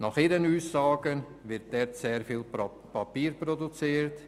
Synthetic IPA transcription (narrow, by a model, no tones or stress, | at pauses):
nɑχiːɾənuːsːɑːɡən | vɪɾt̚d̥ɛɾtseːɾfiːl | pɑpiːɾprɔdut͡siːɾt